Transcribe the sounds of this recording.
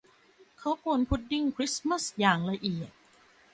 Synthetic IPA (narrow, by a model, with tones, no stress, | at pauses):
kʰa˦˥wpu˧npʰu˦˥t̪̚di˥˩ŋkʰɾi˦˥sma˥˩sjaː˨˩ŋla˧ʔi˨˩ət̪̚